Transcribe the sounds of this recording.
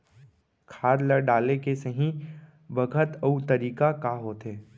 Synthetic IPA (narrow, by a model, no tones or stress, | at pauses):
kʰaːɾləɾɖaːlekesəɦĩ | bəɡʱət̪əut̪ɐɾiːkakaːɦoːt̪ɦeː